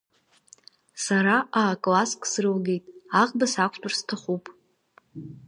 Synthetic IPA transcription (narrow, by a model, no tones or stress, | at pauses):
saɾaʔaːkʼlaskʼsrɨlɡe̞jtʼaʁʼbasakʷʰtʼʊrstʰaχupʼ